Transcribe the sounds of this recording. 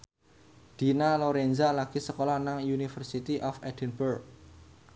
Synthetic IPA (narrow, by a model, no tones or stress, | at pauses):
d̪̥i̤naloɾenzalaɡ̥i̤səkolɔnaŋjunifərsit̪iʔɔfɛd̥ɛnburk̚